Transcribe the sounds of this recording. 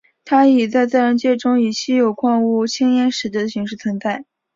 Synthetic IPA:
t̪ʰa˥i˨˩t͡sa˥˧ɪt͡sa˥˩ɪɻə˧˥nt͡ɕjɛ˥˩ʈ͡ʂʊ˥ŋi˨˩ɕi˥jo˨˩ʊkʰwɑ˥˧ŋu˥˩t͡ɕʰi˥ŋjɛ˥nʂɻ̩˧˥˩t͡ɕi˥˩d̪ə˩ɕi˧˥ŋʂɻ̩˥˩t͡sʰwə˧˥nt͡sa˥˩ɪ

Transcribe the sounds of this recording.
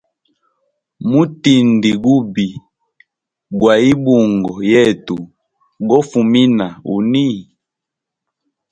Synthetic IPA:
mu˦ti˨ndi˨ɡu˦bi˨ | ɡwa˨i˦bu˨ŋɡɔ˨jɛ˦˨tu˨ | ɡɔ˦fu˨mi˦na˨ṵ˨ni˦

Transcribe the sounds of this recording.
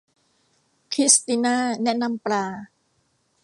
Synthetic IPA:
kʰɾi˦˥st̪i˧naː˥˩nɛ˦˥ʔna˧mpɾaː˧

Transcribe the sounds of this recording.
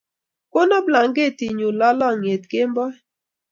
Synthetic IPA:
ko˦nɔ˦bla˨ŋɡe˦˨ti˨ɲu˨lɔ˦lɔ˦ŋ˨e˨t̚ke˦mbɔ˦

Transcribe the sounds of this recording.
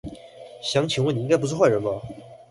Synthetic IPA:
ɕjɑ˧˥˦ŋt͡ɕʰi˨ŋwə˥˩ni˧˥ŋɡɪpu˥ʂ̩ʰ˥xwa˥˩ɪɻə˧˥bɐ˧

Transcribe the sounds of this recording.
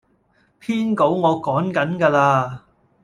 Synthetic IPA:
pʰiː˥nko˨˥wŋɔː˨˧kɔː˨˥ŋkɐ˨˥nkaː˧laː˧

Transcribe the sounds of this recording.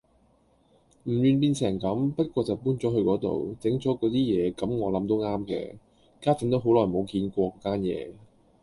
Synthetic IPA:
m̩˨˩ɥyː˨˧np̬iː˧nt͡sʰɛː˨˩ŋkɐ˨˥mpɐ˥t̚kʷɔː˧t͡sɐ˨˩wpuː˥nt͡sɔː˨˥ɦɵ˧ɥkɔː˨˥t̪o̰˨wt͡sɪ˨˥ŋt͡sɔː˨˥kɔː˨˥t̪iː˥jɛː˨˧kɐ˨˥mŋɔː˨˧lɐ˨˥mt̪o˥wŋaː˥mkɛ̰ː˧ | kaː˥t͡sɪ˨˥ŋt̪o˨˥wɦo˨˥wlɔː˨˩jmo˨˧wkiː˧nkʷɔː˧kɔː˨˧˥kaː˥njɛ̰ː˨˧

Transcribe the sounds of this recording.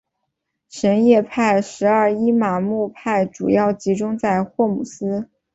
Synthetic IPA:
ʂə˧˥njɛ˥˧pʰa˥˩ɪʂɻ̩˧˥ɐ˞˥˩i˥ma˨˩mu˥˧pʰa˥˩ɪʈ͡ʂu˨˩jɑ˥˩ʊt͡ɕi˧˥ʈ͡ʂʊ˥ŋt͡sa˥˧ɪxwɔ˥˩mu˨˩sɹ̩˥

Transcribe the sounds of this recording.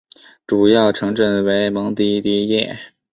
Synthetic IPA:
ʈ͡ʂu˨˩jɑ˥˩ʊʈ͡ʂʰɤ˧˥ŋʈ͡ʂə˥˩nwe˧˥ɪmɑ˧˥ŋt̪i˧˥t̪i˧˥jɛ˥˩

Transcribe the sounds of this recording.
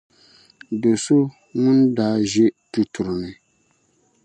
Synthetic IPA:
do˨so˦ | ŋʊ˦ndaː˦ʒɛ˦tu˨tu˨ɾnɨ˨

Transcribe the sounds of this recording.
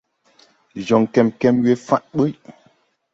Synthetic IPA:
d͡ʒɔ˨ŋkɛ˨mkɛ˦mɥe˦fa˦ʔɓə˦ʔ

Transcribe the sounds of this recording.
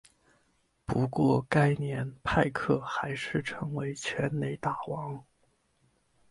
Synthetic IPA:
pu˧˥kwɔ˥˧ka˥ɪnjɛ˧˥npʰa˥˧ɪkʰɤ˥˩xa˧˥ɪʂɻ̩˥˩ʈ͡ʂʰɤ˧˥ŋwe˧˥ɪt͡ɕʰɥɛ˧˥nne˧˥ɪt̪a˥˩wɑ˧˥ŋ

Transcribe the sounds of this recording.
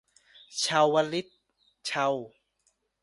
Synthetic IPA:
t͡ɕʰa˧wːa˧li˦˥t̪̚ | t͡ɕʰa˧w

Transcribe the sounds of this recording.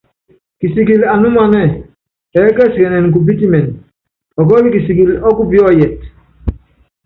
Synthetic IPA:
ki˨si˨ɡi˨la˨nu˦ma˨nɛ˦˨ | ɛ˨˦kə˦skɛ˨nɛ˨nk̬u˨p̬i˦ti˦mɛ˨n | ɔ˨k̬ɔ˦li˦ki˨si˨ɡi˨lɔ˦ku˦bi˦ɔ˦jɛ˨t

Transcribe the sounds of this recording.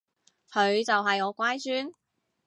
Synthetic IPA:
kʰɵ˨˧ɥt͡sɐ˨wɦɐ˨jŋɔː˨˧kʷaː˥jt͡ʃyː˥n

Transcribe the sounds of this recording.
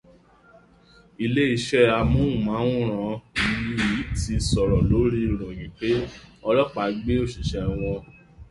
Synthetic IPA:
i˧le˦i˧ʃɛ˦a˧mũ˦ũ˨mã˨˦ũ˦ɾ̃ã˨˦i˧li˦i˨˦ti˧sɔ˨ɾɔ˨lo˨˦ɾi˦˨ɾ̃ɔ̃˨ɡĩ˨˦k͡pe˦ɔ˧lɔ˦k͡pa˨ɡ͡be˦o˦˨ʃi˨ʃɛ˧˨w̃ɔ̃˧

